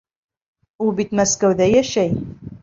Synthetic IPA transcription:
ulˠbit̪mæskæwðæjæʃæj

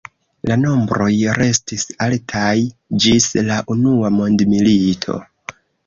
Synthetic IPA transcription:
lano̞mbɾo̞jɾe̞stisaltʰajd͡ʒislaʔunuamo̞ndmilitʰo̞̰

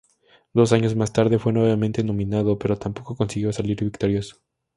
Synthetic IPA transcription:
d̪o̞s̬aɲo̞zmast̪aɾðe̞fwe̞nweβamẽ̞nt̪enõ̞mĩnaðo̞pe̞ɾo̞t̪ampo̞ko̞ko̞nsiɣjo̞saliɾβikt̪o̞ɾjoso̥

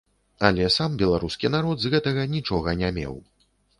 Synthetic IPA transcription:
alʲɛsambʲɛlˠaɾuskʲin̪aɾɔd̪zɣɛt̪ɐɣɐnʲit͡ʂɔɣɐnʲamʲɛ̰w

